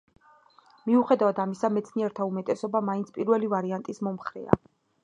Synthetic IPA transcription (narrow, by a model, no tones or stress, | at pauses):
miuχɛd̪avad̪amisamɛt̪sʰniɛɾt̪ʰaumɛt̪ʼɛsɔbamaint̪sʰpʼiɾvɛlivaɾiant̪ʼismɔmχɾɛ̰a̰